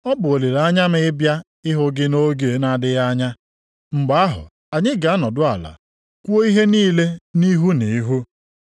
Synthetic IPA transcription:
ɔ˦bʊ˨o˨le˨ɾa˦ɲa˦mɪ˦ɪ˦bja˦ | ɪ˦ɦʊ˦ɡɪ˦no˦ɡe˨˦na˦dɪ˦ɣa˦ɲa˦ | ŋ͡m̩˨ɡ͡ba˨a˦ɦʊ̰˨ | a˨ɲɪ˦ɡa˨a˦nɔ˨dʊ˦a˨la̰˨ | kʷu˦o˦i˦ɦe˦niː˦le˦ni˦ɦu˦ni˨i˦ɦu˦

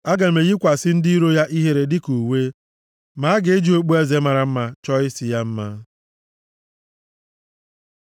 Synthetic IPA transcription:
a˦ɡa˨me˨ɣi˦kʷa˨sɪ˦n̩˦di˦i˦ɾo˦ja˦ʔi˦ɦe˦ɾe˨dɪ˦ku˨we˦ | ma˨˦ɡɪ˨e˦d͡ʒi˦o˦k͡pu˦e˦ze˨ma˨ɾa˨m̩˦ma˨t͡ʃɔ˦ɪ˦sɪ˨ja˦m̩˦ma˦

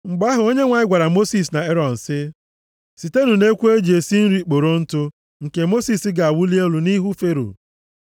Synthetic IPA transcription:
ŋ͡m̩˨ɡ͡ba˦ɦʊ˨o˦ɲe˦ŋʷa˨ɪ˦ɡʷa˨ɾa˨mo˦si˨s̬na˨e˦ɾɔ˨n̩˨sɪ˦ | si˨te˦nu˨ne˦kʷu˦e˦d͡ʒe˨si˦n̩˦ɾi˦k͡po˨ɾo˦n̩˦tʊ˦ | ŋ̩˨ke˨mo˦si˨sɪ˦ɡa˨a˨wu˦li˦e˦lu˨ni˦ɦu˦fe˦ɾo̰˨

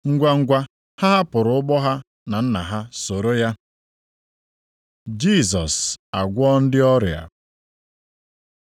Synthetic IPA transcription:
ŋ̩˦ɡʷa˦ŋ̩˦ɡʷa˦ | ha˦a˦pʊ˨ɾʊ˨˦ʊ˦bɔ˦ɦa˦ | na˨n̩˦na̰˨ɦa˦so˨ɾo˦ja˦ | d͡ʒi˦˨s̬ɔ˨sa˨ɡʷɔ˦n̩˦dɪ˦ɔ˦ɾja̰˨

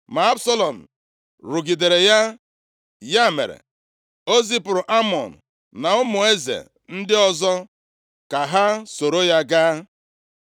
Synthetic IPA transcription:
ma˨a˦bsɔ˦lɔ˨n̩˨ | ɾʊ˨ɡi˨de˨ɾe˨ja˦ | ja˦˨mḛ˨ɾḛ˨ | o˦zi˦pʊ˨ɾʊ˨ʔa˦mɔ˨n̩˨ | na˨ʊ˦mʊ˨e˦zḛ˨ | n̩˦dɪ˦ɔ˦zɔ˦ | ka˨ɦa˦so˨ɾo˦ja˦ɡa˦

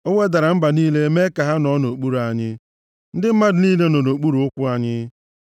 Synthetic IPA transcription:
o˦ŋʷe˦da˨ɾa˨m̩˦ba˨niː˦le˦me˦ka˨ɦa˦nɔ˦no˨k͡pu˦ɾa˨ɲɪ˦ | n̩˦dɪ˦m̩˦ma˦dɪ˨niː˦le˦no˨no˨k͡pu˦ɾu˨ʊ˦kʷʊ˦a˨ɲɪ˦

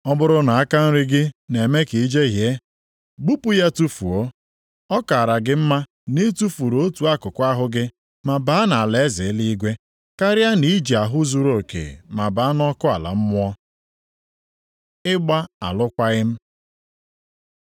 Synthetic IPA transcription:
ɔ˦bʊ˦ɾʊ˦na˨a˦ka˦n̩˦ɾɪ˦ɡɪ˦ne˨me˦ki˨i˦d͡ʒe˦ɦje˦ | ɡ͡bu˦pu˦ja˦tu˦fu˨o˦ | ɔ˦ka˨ɾa˨ɡɪ˦m̩˦ma˦ | ne˦tu˦fu˨ɾo˨˦tu˨a˦kʊ˨kʷa˦ɦʊ˦ɡɪ˦ | ma˨ba˦na˨a˨le˦zɪ˨˦li˦i˦ɡʷe˦ | ka˦ɾja˦ni˨˦d͡ʒi˨a˨ɦʊ˦zu˦ɾo˨kḛ˨ma˨ba˨˦a˦nɔ˦kʊ˦a̰˨la̰˨m̩˦mʊ˦ɔ˦ | ɪ˦ɡ͡ba˦a̰˨lʊ˦kʷa˦ɣɪ˦m̩˦

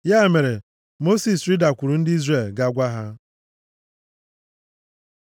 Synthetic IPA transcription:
ja˦e˨me˨ɾe˨ | mo˦si˨sɾɪ˦da˨kʷu˨ɾu˨n̩˦dɪ˦i˦zre˦˨lɡa˨ɡʷa˦ɦa˦

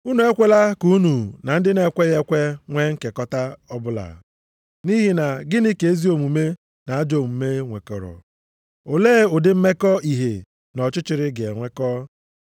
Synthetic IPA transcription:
u˦nu˨e˦kʷe˦la˦ku˦nu˨na˨n̩˦dɪ˦ne˦˨kʷe˦ɣe˦kʷe˦ŋʷe˦ŋ̩˦ke˨kɔ˦ta˦ɔ˦bʊ˦la̰˨ | ni˦ɦi˨na˨ɡɪ˦ni˦ke˨e˦zi˦o˨mu˨me˦ | na˨a˦d͡ʒo˦˨mu˨me˦ŋʷe˨kɔ̰˨ɾɔ̰˨ | o˨leː˦˨ʊ˨dɪ˦m̩˦me˦kɔ˦i˨ɦe˨ | nɔ˨t͡ʃʊ˦t͡ʃɪ˨ɾɪ˦ɡḛ˨ŋʷe˦kɔ˦

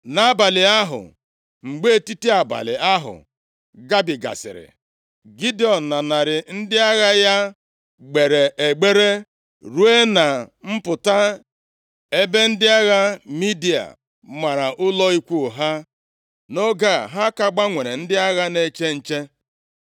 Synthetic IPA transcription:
na˨a˦ba˨lɪ˨a˦ɦʊ̰˨ | ŋ͡m̩˨ɡ͡be˦˨ti˦ti˦a˨ba̰˨lɪ̰˨a˦ɦʊ̰˨ | ɡa˦bi˨ɡa̰˨sɪ̰˨ɾɪ̰˨ | ɡi˦di˦ɔ˨n̩˨na˨na˨ɾɪ˨n̩˦dɪ˦a˦ɣa˦ja˦ | ɡ͡be˨ɾe˨ʔe˨ɡ͡be˦ɾe˦ | ɾu˦e˦na˨m̩˦pʊ˨ta˦ | e˦be˦n̩˦dɪ˦a˦ɣa˦mi˦di˨a̰˨ | ma˨ɾa˨ʔʊ˦lɔ˦i˦kʷu˦˨ɦa˦ | no˦ɡa˦˨ɦa˦ka˦ɡ͡ba˦ŋʷe˨ɾe˨n̩˦dɪ˦a˦ɣa˦ne˦t͡ʃe˦n̩˨t͡ʃe˦

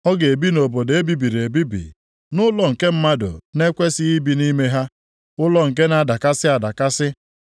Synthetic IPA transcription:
ɔ˦ɡe˨bi˦no˨bo˨de˦bi˦bi˨ɾe˨bi˦bḭ˨ | nʊ˦lɔ˨ŋ̩˨ke˦m̩˦ma˦dʊ̰˨ne˦kʷe˦sɪ˦i˦bi˨ni˦me˦ɦa˦ | ʊ˦lɔ˦ŋ̩˨k̬e˦na˦˨da˨ka˦sɪ˦a˨da˨ka˦sɪ˦

